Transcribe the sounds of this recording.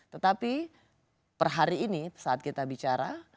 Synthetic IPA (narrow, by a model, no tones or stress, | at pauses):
t̪ət̪api | pərɦaɾiːnisaːt̪̚kit̪abit͡ʃaɾa